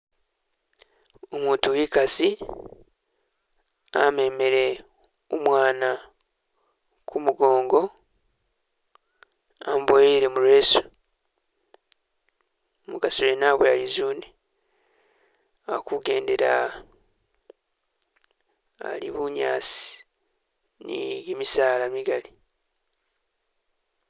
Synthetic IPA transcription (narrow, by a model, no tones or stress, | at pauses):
omuːntuwikasi | a̰me̞me̞ɾe̞ | omwaːna | kʰumuɡo̞ːŋɡo̞ | ambojeiɾe̞muɾwe̞ːsu̥ | muɡasijenaβwealizuːne | akuɡe̞ːnde̞ɾa | a̰lḭβuɲa̰ːsi̥ | nḭjemisaːlamiɡali